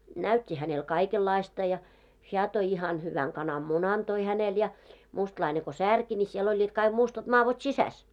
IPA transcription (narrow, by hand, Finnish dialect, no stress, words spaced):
næytʲːi hænel kɑikelːɑistɑ jɑ heæ toi ihɑn hyʋæŋ kɑnɑmːunɑn toi hænel jɑ mustlɑine ko særki nʲi siel olʲːiːt kɑiɡ̊ mustɑt mɑːʋot sisæs